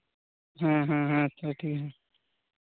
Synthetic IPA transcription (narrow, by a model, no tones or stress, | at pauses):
ɦãɦãɦãt̪ʰəʈʰikɦãː